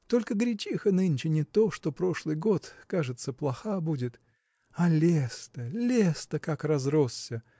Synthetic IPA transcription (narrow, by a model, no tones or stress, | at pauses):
t̪o̞lʲkəɡɾʲɪt͡ɕixənɨnʲt͡ɕɪnʲɪt̪o̞ʂt̪opɾo̞ʂlˠɨjɡo̞t̪kaʐɨt̪səplˠɐxabudʲɪt̪ | ɐlʲest̪əlʲest̪əkakrɐzrosːʲə